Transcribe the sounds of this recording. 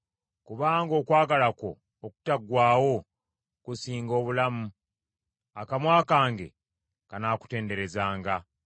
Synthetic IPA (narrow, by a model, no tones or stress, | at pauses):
kuβaːŋɡo̞ːkwaːɡalako̞̰ː | ku̥taɡwaːwo̞ | kusiːŋɡo̞ːβulamu | akamwaːkaːŋɡe̞̰ | kanaːku̥te̞ːnde̞ɾe̞zaːŋɡa